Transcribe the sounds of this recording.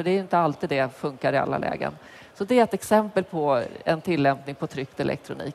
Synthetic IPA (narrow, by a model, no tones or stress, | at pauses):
fœɖɛæɾjɪnt̪əalt̪iːd̪d̪ɛfɵŋkaɾɪa̰lːa̰lʔɛ̰ːɡə̰n | sɔd̪ɛɾɛt̪ɛksɛmpəlpʰɔɛnt̪ʰɪlːɛmpnɪŋpʰɔt̪ʰɾʏkt̪ɛlʔɛ̰kt̪ʰɾʊnḭːk